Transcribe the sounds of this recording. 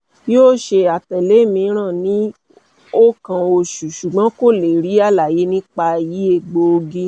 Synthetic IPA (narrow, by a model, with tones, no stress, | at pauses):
joː˦˨ʃe˧a˨tɛ˨le˨˦mĩ˧˦ɾ̃ã˦˨nĩ˨˦ | o˦kã˧o˧ʃu˨ʃu˨ɡ͡bã˨˦ko˦˨le˨ɾi˨˦a˦˨la˨je˨˦nĩ˦k͡pa˧ji˨˦e˧˨ɡ͡bo˧o˧ɡi˧˦